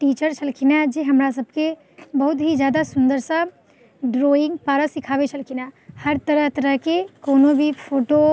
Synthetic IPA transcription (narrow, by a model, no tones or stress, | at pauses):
ʈiːt͡ʃəɾt͡ʃʰɐlkʰinad͡ʒeɦɐmɾas̬ɐb̚ke | bɐɦʊt̪ɦizjaːd̪asʊ̃nd̪əɾsã | ɖɾoːɪ̃ŋɡ̚paːɾasɪkʰaːʋet͡ʃʰɐlkʰinahɐɾt̪ɐɾəɦt̪ɐɾəɦkekoːnobʱipʰoːʈo